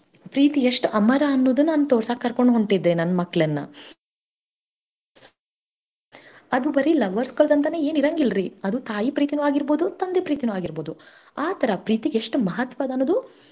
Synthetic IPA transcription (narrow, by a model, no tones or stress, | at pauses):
pɾiːt̪ieʂʈuɐmɐɾaːnːoːd̪unaːnut̪oːɾsakːɐɾkoɳɖɦoɳʈid̪ːenɐnːɐmɐkːɐɭɐnːɐ̰ | ɐd̪ubɐɾilɐʋɐɾskoɭd̪ɐnt̪̬ɐne̞ːeːniɾɐŋɡilɾiɐd̪ut̪aːjipɾiːt̪inuaːɡiɾbo̞ːd̪ut̪ɐnd̪epɾiːt̪inuaːɡiɾboːd̪u | aːt̪ʰɐɾɐpɾiːt̪iɡeeʂʈumɐɦɐt̪ʋaːd̪ɐnːoːd̪u